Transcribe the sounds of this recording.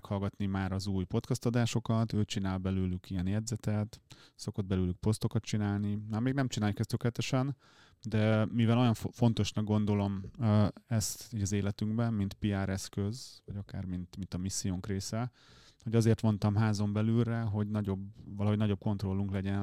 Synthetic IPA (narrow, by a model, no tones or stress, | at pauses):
khɒlɡɒt̪nimaːɾɒzuːjpo̞t̪kɒst̪ɒd̪aːʃo̞kɒt̪øːt͡ʃinaːlbɛløːlykijɛnjɛd̪zɛt̪ɛt̪so̞ko̞d̪̚bɛløːlyk̚po̞st̪o̞kɒt̪t͡ʃinaːlnimaːrmeːɡnɛmt͡ʃinaːljukɛst̪ʰøklɛt̪ɛʃɛn | d̪ɛmivɛlo̞jɒɱfo̞nt̪o̞ʃnɒɡɡo̞n̪d̪o̞lo̞mː | ɛst̪iɟɒzeːlɛt̪yŋɡbɛnmint̪piaːɾɛskø̞zvɒɟɒkaːrmint̪mint̪ɒmisːijoŋkreːsɛ | ho̞ɟɒzeːrt̪mo̞nt̪ɒmɦaːzo̞mbɛlylːɛɦo̞ɟnɒɟobvɒlɒɦo̞ɟnɒɟo̞b̚ko̞nt̪ro̞lːuŋklɛɟɛn